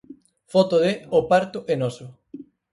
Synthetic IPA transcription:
fɔt̪oðeopaɾt̪ʊʔenɔsʊ

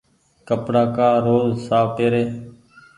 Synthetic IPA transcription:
kəpɽaːkaːɾoːzsaːʋpeːɾeː

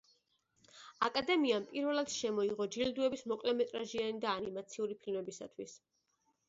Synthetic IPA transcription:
akʼad̪ɛmiampʼiɾvɛlˠad̪̥ʃɛmɔiʁɔd͡ʒild̪uɛbismɔkʼlɛmɛt̪ʼɾaʒianid̪aːnimat̪sʰiuɾipʰilmɛbisa̰t̪ʰwis

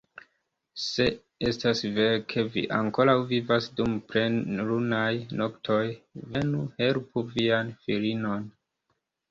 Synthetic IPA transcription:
se̞ | estasve̞ɾkʰe̞vḭʔaŋko̞ɾawvivasdumpɾeɾunajno̞ktʰo̞jve̞nuhe̞lpuvianfiɾino̞n

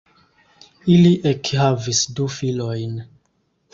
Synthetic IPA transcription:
iliʔekhavisdufilo̞jn

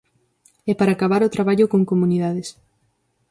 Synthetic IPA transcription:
ɛpaɾaːkaβaɾot̪ɾaβ̞aʎʊkoŋkomuniðaðes

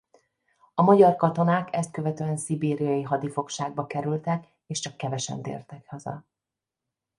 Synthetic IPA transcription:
ɒmɒɟɒrkɒt̪o̞naːkɛst̪̚kø̞vɛt̪øːɛnsibeːɾijɒjiɦɒd̪ifo̞kʃaːɡ̚bɒkɛɾylt̪ɛk | eːʃt͡ʃɒkːɛvɛʃɛ̰nt̪ḛːrt̪ɛkhɒzɒ̰

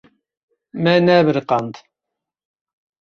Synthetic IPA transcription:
mænæːβəɾqɑnd̪

